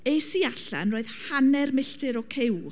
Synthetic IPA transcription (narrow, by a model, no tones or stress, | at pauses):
ejsiaɬa̰nroːð̥hanɛrmɪɬtʰɨɾɔkʰɪw